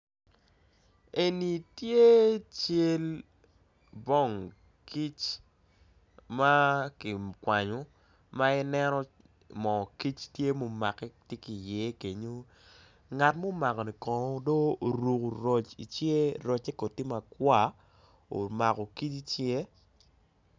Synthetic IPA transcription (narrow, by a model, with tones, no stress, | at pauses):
e˨ni˨tje˦t͡ʃe˦l | bɔ˦˨ŋ | ki˦t͡ʃ | ma˦kɪ˨kwa˨ɲo˨˦ | ma˦ɪ˦nɛ˦nɔ˦ | mɔ˨ki˦t͡ʃtje˦mo˨ma̰˨kɛ˦tje˦ki˨jɛ˨˦ke˨ɲo˦ | ŋa˨tmo˦ma˨kɔ˨ni˨kɔ˨˦do˦o˨ɾu˨ko˨ɾɔ˨t͡ʃḭ˨t͡ʃje˦ɾɔ˨t͡ʃɛ˦ko˨ti˦ma˨kwa˦˨ | o̰˨ma˨kɔ˨ki˦t͡ʃi˦t͡ʃje˦